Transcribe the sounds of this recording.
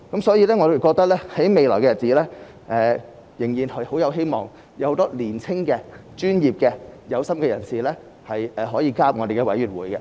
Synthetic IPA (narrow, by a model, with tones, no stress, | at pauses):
kɐ˨˥msɔː˨˥jiː˨˧lɛː˥ŋɔː˨˧o˨˩wkɔː˧k̚t̪ɐ˥k̚lɛː˥hɐ˨˥jme˨˧jlɔː˨˩kɛ˧ɐ˨t̚t͡si˨˥lɛː˥ | ʔɛː˨ | jɪ˨˩ŋjiː˨˩nhɐ˨jho˨˥wjɐ˨˧wɦe˥jmɔ̰ː˨˩ŋ | jwho˧˥t̪ɔː˥liː˨˩nt͡sʰɪ˥ŋkɛː˧t͡ʃyː˥njiː˨p̚kɛː˧jɐ˨˧wsɐ˥mkɛː˧jɐ˨˩nsiː˨lɛː˥ | hɐ˨jɛː˨˩ɦɔː˨˥jiː˧kaː˥p̚ŋɔː˨˧ɾe˨jkɛ˧wɐ˨˥jyː˨˩t̚wuː˨˥jkɛ˧